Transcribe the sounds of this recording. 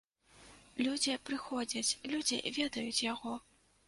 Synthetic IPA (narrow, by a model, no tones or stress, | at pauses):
lʲud͡zʲipɾɨxɔd͡zʲɐt͡sʲlʲud͡zʲḭvʲɛd̪ɐjut͡sʲjaɣɔ